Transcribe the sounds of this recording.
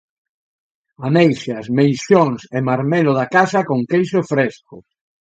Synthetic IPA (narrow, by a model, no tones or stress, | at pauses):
anejʃjasmejsjoŋsemaɾmɛloðakasakoŋkejʃofɾeskʊ